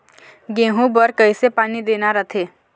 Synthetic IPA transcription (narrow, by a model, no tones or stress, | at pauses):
ɡẽːɦũbəɾkəisepaːnid̪eːnaɾət̪ʰeː